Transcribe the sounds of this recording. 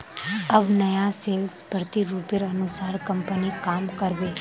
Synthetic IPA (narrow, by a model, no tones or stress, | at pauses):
əbnəjaseːlspəɾt̪iɾuːpjəɾɐnʊsaːɾkəmpənikaːmkəɾbeː